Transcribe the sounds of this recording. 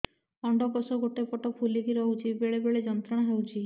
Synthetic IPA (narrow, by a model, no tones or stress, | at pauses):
ɔɳɖɔkɔsɔɡoʈepɔʈɔpʰulikiɾɔɦut͡ʃʰibeɭebeɭed͡ʒɔnt̪ɾaɽ̃ɔɦewt͡ʃʰi